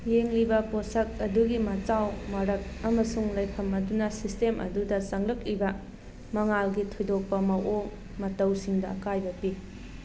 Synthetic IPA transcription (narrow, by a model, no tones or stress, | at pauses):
jeŋlibɐposɐk̚ɐduɡimɐt͡ʃawmɐɾɐk̚ɐmɐsuŋlɐjkʰɐmɐdunɐsistemʔɐ̰dudɐsɐŋlɐk̚libɐ | mɐŋalɡitʰojdok̚pɐmɐʔoŋ | mɐtɐwsiŋdɐːkajbɐpi